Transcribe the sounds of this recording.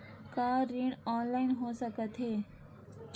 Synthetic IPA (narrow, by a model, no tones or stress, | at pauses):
kaːɾiɳɔːnlaːɪnɦosəkət̪ɦeː